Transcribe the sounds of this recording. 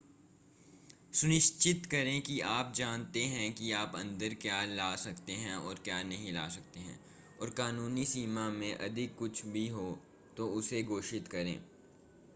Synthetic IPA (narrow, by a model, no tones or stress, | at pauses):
sʊnɪʃt͡ʃɪt̪kɐɾẽkiaːp̚d͡ʒaːnt̪eɦɛ̃kiaːpɐ̰̃nd̪əɾkjaːlaːsɐkt̪eɦɛ̃ɔːɾkjaːnɐɦĩla̰ːsɐk̚t̪eɦɛ̰̃ː | ɔːɾkaːnuːnisiːmamẽʔɐ̰d̪ʱɪkːʊt͡ʃʰbʱiɦo | t̪oʊseɡoːʃɪt̪kɐɾḛ̃ː